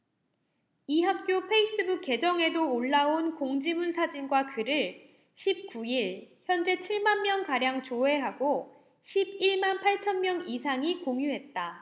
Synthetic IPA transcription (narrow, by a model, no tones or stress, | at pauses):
iɦap̚k͈jopʰe̞is͈ɯbuk͈ːe̞d͡ʑʌŋe̞doːɭːaonkoŋd͡ʑimunsʰad͡ʑinɡwakɯɾɯɭ | ɕʰip̚k͈uiɭçjʌnd͡ʑe̞t͡ɕʰiɭmanmjʌnkaɾjaŋt͡ɕoɦe̞ɦaɡo | ɕʰibiɭmanpʰaɭt͡ɕʰʌnmjʌŋisʰaŋikoŋjuɦe̞t̚t͈a